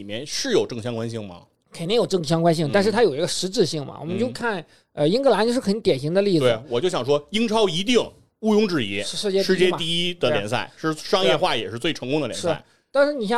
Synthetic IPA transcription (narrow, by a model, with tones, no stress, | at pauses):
i˨˩mjɛ˥˧nʂɻ̩˥˩jo˨˩ʊʈ͡ʂɤ˥˩ŋɕjɑ˥ŋkwa˥nɕi˥˩ŋmɐ̰˩ | kʰe˨˩ɪ˥ŋjʊʈ͡ʂɤ˥˩ŋɕjɑ˥ŋkwa˥nɕi˥˩ŋt̪a˥˧nʂɻ̩˥˩t̪ʰa˥jo˨˩ʊi˧˥ɡə˧ʂɻ̩˧˥ʈ͡ʂɻ̩˥˧ɕi˥˩ŋmɐ̰˩wɔ̰˨˩mə˦nt͡ɕjo˥˧ʊkʰa˥˩n | ə˧i˥ŋkɤ˥˩la˧˥nt͡ɕo˥˧ʊʂɻ̩˥xə˧˥nt̪jɛ˨˩nɕi˧˥ŋd̪ə˧li˥˩d͡z̪we˥˩wɔ˨˩t͡ɕjo˥˩ʊɕjɑ˨˩ŋʂ̬wɔ˥i˥ŋʈ͡ʂʰɑ˥ʊi˧˥t̪̬i˥˩ŋ | u˥˧jʊ˥ŋʈ͡ʂɻ̩˥˩jɛ˧˥ʂ̩˥˧ʂɻ̩˥˧t͡ɕjɛ˥ʂɻ̩˥˧t͡ɕjɛ˥˩t̪i˥˧i˥d̪ə˨˧ljɛ˧˥nsa̰˥˩ɪʂɻ̩˥˩ʂɑ˥ŋjɛ˥˧xwa˥˩jɛ̰˨˩ʂɻ̩˥˧t͡swe˥˩ɪʈ͡ʂʰɤ˧˥ŋkʊ˥ŋd̪ə˨ljɛ˧ʂɻ̩̰˥˧˥ | t̪a˥˧nʂɻ̩˥˩ni˨˩ɕj